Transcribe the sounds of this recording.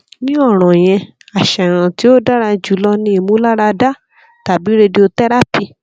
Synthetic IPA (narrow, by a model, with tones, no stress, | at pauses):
nĩ˦ɔ˦˨ɾ̃ɔ̃˨j̃ɛ̃˧ | a˨ʃɛ˨ɾ̃ã˨ti˨˦o˦da˦ɾa˧d͡ʒu˨˦lɔ˧nĩ˧˦i˧˨mũ˦la˦ɾa˧da˦ | ta˨bi˨˦ɾe˧de˧o˧tɛ˦ɾa˦pi˧